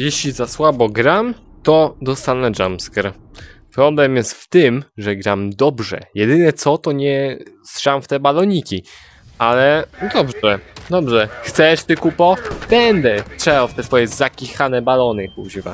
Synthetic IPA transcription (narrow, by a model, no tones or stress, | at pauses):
jɛɕlʲizaswabɔɡɾam | t̪ɔd̪ɔst̪anɛd͡ʒa̰mskɾ | pɾɔblɛmjɛst̪ft̪ɘmʐɛɡɾamd̪ɔbʐɛ̰jɛd̪ɘnɛt̪sɔt̪ɔɲɛsʂamft̪ɛbalɔɲikʲi | ʔalɛd̪ɔbʐɛd̪ɔbʐɛxt̪sɛʂt̪ɘkupɔb̥ɛnd̪ɛtʂɛbaft̪ɛsfɔjɛzakʲixanɛbalɔnɘkuʑɘva̰